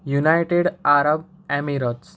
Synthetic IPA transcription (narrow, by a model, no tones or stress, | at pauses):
junajʈeɽaɾəb̚ | æmiɾot͡s